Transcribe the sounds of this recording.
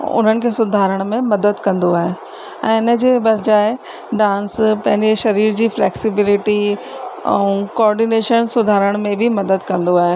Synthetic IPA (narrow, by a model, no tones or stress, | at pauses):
ʊ̰n̤ənɪ̆kʰesʊd̪ʱaːɾəɽ̃mẽmɐd̪əd̪kɐ̃nd̪oaːɦe | ɛ̃ːɪnə̆d͡ʑeːbɐɾd͡ʑaːe | ɖãːnspɐ̃ɦɪ̃ɲd͡ʑeʃɐɾiːɾd͡ʑiːflɛːksɪbɪlɪʈi | ɛ̰ũkoɔːɾɖineːʃənsʊd̪ʱaːɾəɽ̃mẽbʱimɐd̪əd̪kɐ̃nd̪oaːɦe